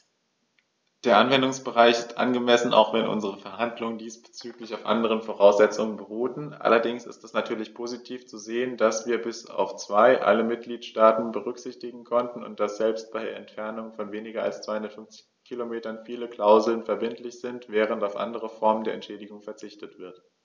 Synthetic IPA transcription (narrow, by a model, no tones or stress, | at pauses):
d̥eːɐʔanvɛndʊŋsb̥əʁaɪçɪstʔa̰nɡəmɛsn̩a̰ʊxv̥ɛnʔʊ̰nzəʁəfɛɐɦandlʊŋəndiːsb̥ə̥t͡syːklɪçaʊfʔa̰ndəʁ̞ənfoʁaʊsz̥ɛt͡sʊŋənbəʁuːtn̩ʔa̰lɐdɪŋsɪ̰stdɛsnatʰyːɐlɪçpʰoːzitʰiːft͡suzeːəndasv̥iːɐbɪsa̰ʊft͡sv̥aɪʔa̰ləmɪt̚ɡ̥liːtʃtaːtn̩bəʁ̞ʏkz̥ɪçtɪɡŋ̩kʰɔntn̩ʊ̰nt̚d̥asz̥ɛlpst̚b̥aɪdeːɐɛntfɛɐnʊŋfɔnveːnɪɡɐa̰lst͡sv̥aɪhʊndɐtfʏnft͡sɪ̥çkʰilomeːtɐnfiːləkʰl̥aʊzl̩nfɛɐbɪntlɪçz̥ɪntv̥ɛːʁ̞əntaʊfʔa̰ndəʁəfɔɐməndeːɐɛntʃɛːdɪɡʊŋfɛɐt͡sɪçtətv̥ɪɐt